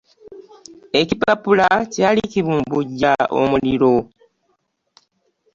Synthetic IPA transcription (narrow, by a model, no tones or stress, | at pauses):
e̞cipapulacaːliciβuːmbuɟːao̰muliɾo̞